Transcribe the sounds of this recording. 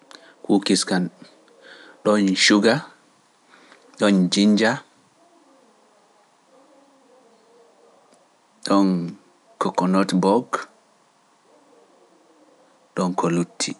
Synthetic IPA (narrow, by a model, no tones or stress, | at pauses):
kukiskan | ɗɔnʃuɡa | ɗɔnd͡ʒiɲd͡ʒa | ɗɔn | kɔkːɔnɔtbɔɡ | ɗɔnkɔlutʰːi